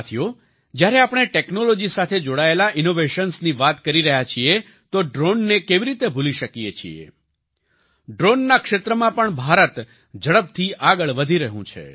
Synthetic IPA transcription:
t̪ʰijo | d͡ʒjaɾeapɽ̃eʈeknolod͡ʒisat̪ʰed͡ʒoɽaelaʔɪnoʋeʃənsniʋat̪kəɾiɾəɦjat͡ʃʰie | t̪oɖɾonːekeʋiɾit̪ebʱuliʃəkiet͡ʃʰiḛ | ɖɾonːakʃet̪ɾəmãpəɳbʱaɾət̪ | d͡ʒəɭəp̚t̪ʰiʔaɡəɭʋəd̪ʱiɾəɦṵ̃t͡ʃʰḛ

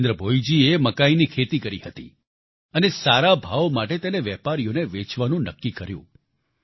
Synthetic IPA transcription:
nd̪ɾəbʱojd͡ʒieməkainikʰet̪ikəɾihət̪ḭ | ənesaɾabʱaʋmaʈet̪eneʋɛpaɾijoneʋet͡ʃʋanũnəkːikəɾjṵ̃

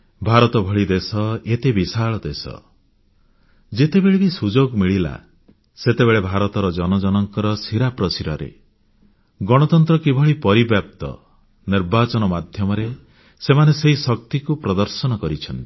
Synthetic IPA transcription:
bʱaɾɔt̪ɔbʱɔɭid̪esɔet̪ebisaɭɔd̪esɔ̰ | d͡ʒet̪ebeɭebisud͡ʒoɡmiɭila̰ | set̪eβeɭebʱaɾɔt̪ɔɾɔd͡ʒɔnɔd͡ʒɔnɔŋkɔɾɔsiɾapɾɔsiɾɔɾḛ | ɡɔɽ̃ɔt̪ɔnt̪ɾɔkibʱɔɭipɔɾibjap̚t̪ɔ̰ | niɾbat͡ʃɔnɔmad̪ʱjɔmɔɾe | semaneseɦisɔk̚t̪ikupɾɔd̪ɔɾsɔnɔkɔɾit͡ʃʰɔnt̪i̥

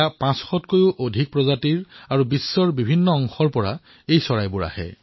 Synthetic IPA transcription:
apãsxɔtkojuʔodʱik̚pɹɔzatiɹaɹubisːɔɹbibʱinːɔɔŋxɔɹpɔɹa | ejsɔɹajbʊɹa̰hɛ̰

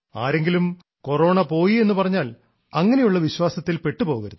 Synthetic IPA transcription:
a̰ːɾe̞ŋɡilum | ko̞ro̞ːɳɐpo̞ːjie̞nːupɐrɐɲːaːl | ɐŋːɐne̞juɭːɐʋiɕwaːsɐt̪ːilpe̞ʈːupo̞ːɣuʋɐ̰ɾun

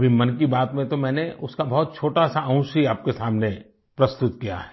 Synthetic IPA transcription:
bʱimɐnkibaːt̪mẽt̪omɛ̃ːneʊskabɔɦːt̪̚t͡ʃʰoːʈasaə̃ʊ̃siaːp̚kesaːmne | pɾɐst̪ʊt̪kija̰ɦɛː

